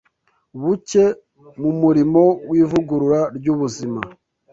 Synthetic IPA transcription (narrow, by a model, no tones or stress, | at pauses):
βuce̞ | mumuɾimo̞wiːvuɡuɾuɾaɾɟuβuzima̰